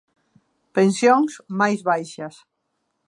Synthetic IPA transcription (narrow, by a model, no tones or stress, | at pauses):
pẽnsjoŋsmajzβajʃɐs